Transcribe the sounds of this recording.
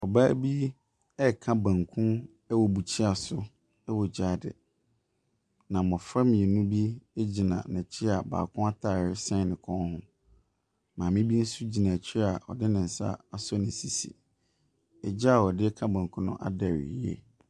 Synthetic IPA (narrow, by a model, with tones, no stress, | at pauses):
ɔ˨ba˦bi˦ | ɛ˦˨kʰã˦bã˨ŋkʰũ˦n | ɛ˦wɔ˨bu˨t͡ɕʰi˦a˨sʊ˦ | ɛ˦wɔ˨d͡ʑaː˦dɪ̰˨ | nã˨mɔ̃˨fa˦mĩ˨e˨nũ˦bi˦æ˦d͡ʑi˨nã̰˨nã˨t͡ɕʰɪ˦a˨ba̰ː˨kʰʊ̃˦a˦tʰa˨ɾɪ˦sɛ̃˦˨nɪ̃˨kʰɔ̃˦n˦hʊ̃˦ | mãː˨mɪ̃˦bi˦n̩˦su˦d͡ʑi˨nã˨t͡ɕʰa˨ɔ̰˨dɪ˦nɪ̃˨n̩˨sa̰˦a˨sɔ˦nɪ̃˨si˨sḭ˨ | ɛ˨d͡ʑa˦a˨ɔ˨dɪ˦ɛ˦kʰã˦bã˨ŋkʰũ˦nʊ̃˦ʔa̰˦da˨ɾḭ˨i˦ḛ˦